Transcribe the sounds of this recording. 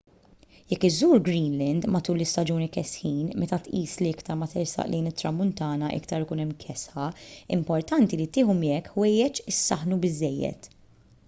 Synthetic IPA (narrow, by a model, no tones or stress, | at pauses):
jɛkːɪzːuːɾɡɾiːnlɛnd̪mɐt̪uːlɪst̪ɐd͡ʒuːnikɛsħiːnmɛt̪ɐt̪ʔiːsliɪkt̪ɐɾmɐt̪ɪɾsɐ̰ʔlɛjnɪt̪ːɾɐmːʊnt̪ɐːnɐʔɪ̰kt̪ɐɾɪkuːnɛmːkʰɛsħɐɪ̰mpɔɾt̪ɐnt̪ilit̪ɪːħʊmiɛkħwɛjːɛt͡ʃɪsːɐħnubɪzːɛjːɛ̰t̪